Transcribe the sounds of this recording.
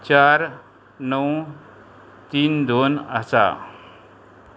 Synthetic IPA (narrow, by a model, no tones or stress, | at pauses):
t͡ɕaɾ | nəw | t̪iːnd̪onəsa̰